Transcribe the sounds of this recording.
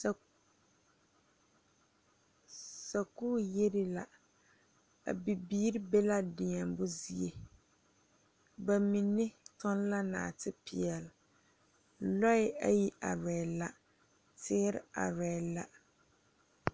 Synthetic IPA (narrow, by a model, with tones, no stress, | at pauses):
sa˨ku˦je˦ɾɪ˦la˨ | a̰˨bi˨biː˦ɾɪ˦be˦la˦dɪ˨ɛ˨mbʊ˦zi˦e˦ | ba˨mi˨nːɪ˦tʊ˦n˦la˦na̰ː˨tɪ˦pɪ̰˨ɛ˨l | lɔ˦ɪ˦a̰˦ji˦ʔa̰˨ɾɛ˨la˦ | tɪ˦ɾɪ̰˦a̰˨ɾɛ˨la˦